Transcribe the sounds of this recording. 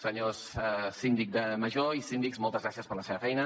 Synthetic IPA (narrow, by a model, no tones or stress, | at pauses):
səɲossind̪ik̚d̪əməʒoisind̪ikzmɔlˠt̪əzɣɾasiəspəɾləseβəfɛjnə